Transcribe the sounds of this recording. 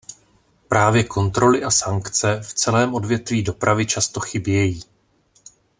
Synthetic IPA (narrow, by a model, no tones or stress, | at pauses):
pɾʔaːvjɛkʰo̞nt̪ɾo̞lɪʔasaŋkt͡sɛft͡sɛlɛːmʔo̞dvjɛt̪viːdo̞pɾʔavɪt͡ʃast̪o̞xɪbjɛjiː